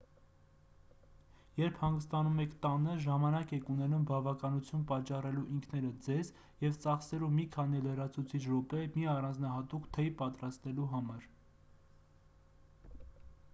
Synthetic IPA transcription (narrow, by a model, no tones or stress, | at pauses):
jɛɾpʰhɑŋɡəst̪ɑnumɛkʰt̪ɑnəʒɑmɑnɑkɛkunɛnumbɑvɑkɑnut͡sʰjunpɑt͡ʃːɑrɛluʔiŋkʰnɛɾəd͡zɛz | jɛvt͡sɑχsɛlumikʰɑn̪ilərɑt͡sʰut͡sʰit͡ʃʰɾɔpɛmiɑrɑnd͡znɑɦɑt̪ukt̪ʰɛjpɑt̪ɾɑst̪ɛluɦɑmɑɾ